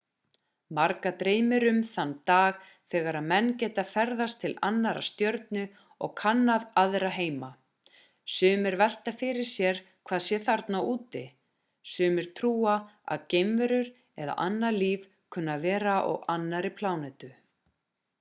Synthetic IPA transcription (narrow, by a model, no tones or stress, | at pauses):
maɾkat̪ɾeːjmɪɾʏmθanːt̪aːɣ | θɛːɣaɾaðmɛnːcɛːt̪afɛɾðast̪ʰɪla̰nːaɾa̰st̪jœɾt̪nʏ | ɔɣkʰanːaðaðɾaɦeːjma | sʏːmɪɾvɛl̥t̪afɪɾɪɾ̥sjɛɾ̥ | kʰvaːðsjɛθaɾt̪nawuːt̪ɪ | sʏːmɪɾ̥t̪ʰɾuːaa̰ðcejmvɛɾʏɾ̥ | ɛða̰ʔanːaliːv | kʰʏnːavɛːɾaʔɔ̰ɣanːaɾɪpʰlaːwnɛt̪ʏ